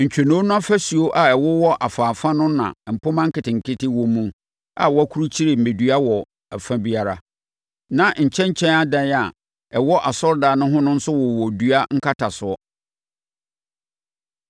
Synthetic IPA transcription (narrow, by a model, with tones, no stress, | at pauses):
ɲ̩˨t͡ɕᶣe˨nõ˦nʊ̃˦a˦fæ˦su˨o˦ʔa˦ɛ˨wɔ˦wɔ˦ʔa˨faː˨fã˦nʊ̃˦nã̰˨m̩˨pʰʊ˦mã˦ŋ̩˦kɪ˨tɪ˨ŋ̩˨kʰɪ˦tɪ˦wɔ̃˦mũ˦ | a̰˨wɔ˦æ˦kʰu˦ɾu˦t͡ɕʰi˦ɾe˨m̩˨mẽ˨dɥa˦wɔ˨ | æ˨fã˦bi˦a˨ɾa˨ | nã˨ɲ̩˨t͡ɕʰɛ̃˦ɲ̩˦t͡ɕʰɛ̃˦na˦dã˦n˦a˨ | ɛ˨wɔ˦ʔa˨sɔ˦ɾdaː˨nʊ̃˦ɦʊ̃˦nʊ̃˦n̩˦sʊ˦wɔ˨wɔ˨du˦a˦ŋ̩˦kʰa˦tʰa˨sʊ˨ɔ˦